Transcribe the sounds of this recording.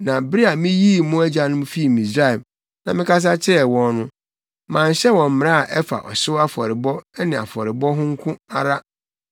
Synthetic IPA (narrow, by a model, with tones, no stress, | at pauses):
nã˨bi˦a˨mɪ̃˦ji˦˨mʊ̃˦æ˦d͡ʑa˨nʊ̃˦m˦fi˦i˨mĩ˨sɾa˦˨ɛ˨m | nã˨mɪ̃˦kʰa˦s̬a˦t͡ɕʰɪ˦ɾɛ˨wɔ̃˦nnʊ̃˦ | mãː˨n̩˨ɕɛ˦wɔ̃˨m̩˦m̃˨ɾa˦a˨ʔɛ˦fa̰˨ʔɔ˨sʊ˦a˦fɔ˨ɾɪ˨bɔ˦ɛ˦nɪ̃˨a̰˨fɔ˨ɾɪ˨bɔ˦ɦʊ̃˦ŋ̩˦kʰʊ̃˦a˦ɾa˦